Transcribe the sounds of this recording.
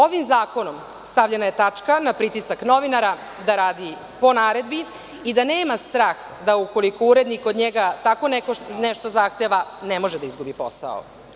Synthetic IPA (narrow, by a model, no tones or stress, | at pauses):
o̞ʋimzaːko̞nom | st̪aʋʎenaje̞t̪at͡ʂkanapɾit̪isakno̞ʋinaɾa | d̪aɾaːd̪i | po̞naːɾe̞d̪bi | id̪aneːmast̪ɾaːx | d̪auko̞likouɾed̪nikod̪ɲeɡat̪akonekonɛʃt̪o̞zaxt̪eʋanemo̞ʒed̪aizɡubipo̞̰sa̰o̰